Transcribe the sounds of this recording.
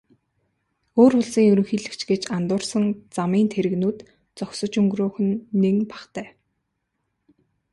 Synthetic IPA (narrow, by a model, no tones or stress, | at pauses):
oːɾʊɮsiːŋɵɾɵ̆ŋxiːɮɘ̆kt͡ɕɡet͡ɕant̪ʊːrsə̆ŋt͡samiːnt̪ʰeɾɘ̆ɣnuːt̪ | t͡sɔksə̆t͡ɕɵŋɡroːxɘ̆nːeŋpḁχt̪æː